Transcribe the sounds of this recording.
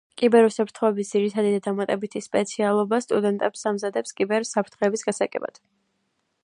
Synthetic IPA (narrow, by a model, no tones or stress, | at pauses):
kʼibɛɾusapʰɾt̪ʰχɔɛbisd̪ziɾit̪ʰad̪id̪ad̪amat̪ʼɛbit̪ʰispʼɛt̪sʰialˠɔbast̪ʼud̪ɛnt̪ʼɛpsamzad̪ɛpskʼibɛɾsapʰɾt̪ʰχɛːbisɡasaɡʼɛ̰ba̰d̪̥